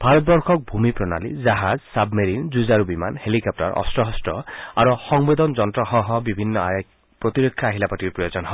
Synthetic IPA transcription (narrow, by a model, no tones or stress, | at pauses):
bʱaɾɔt̪̚bɔɾkʰɔk̚bʱumipɾɔna̰lḭd͡ʒaɦazsabmeɾind͡ʒuzaɾubima̰nhelikɔp̚ʈɔɾɔ̰stɾɔɦɔsʈɔa̰ɾuxɔŋbed̪ɔnd͡ʒɔnt̪ɾɔɦɔɦɔbibʱinːɔaj | pɾɔt̪iɾokʰːjaaɦilapatiɾpɾɔjod͡ʒɔnɔɦɔ